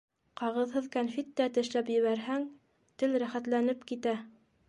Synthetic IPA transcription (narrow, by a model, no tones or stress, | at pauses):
qɑʁɤ̆ðhɤðkanfet̪ːæt̪ɘ̆ʃlæpjɘ̆βæɾɦæŋ | t̪ɘlɾæχæt̪lænɘpkit̪æ